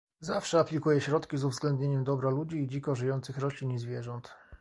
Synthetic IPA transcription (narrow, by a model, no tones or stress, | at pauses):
zafʂɛaplʲikujɛɕɾɔt̪kʲizuvzɡlɛnd̪ɲeɲɛmd̪ɔbɾalud͡ʑiːd͡ʑikɔʐɘjɔnt̪sɘxɾɔɕlʲinizvʲjɛʐɔnt̪